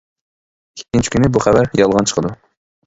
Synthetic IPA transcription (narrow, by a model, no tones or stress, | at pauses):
kʲʰe̥kʲːint͡ʃʰi̥kʲʰynɪbuχævæɾjɑlˠʁɑnt͡ʃʰə̥qʰəd̪u